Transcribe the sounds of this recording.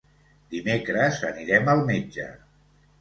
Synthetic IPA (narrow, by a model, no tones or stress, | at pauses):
d̪imekɾəzə̰niɾɛməlˠmed͡ʒə̰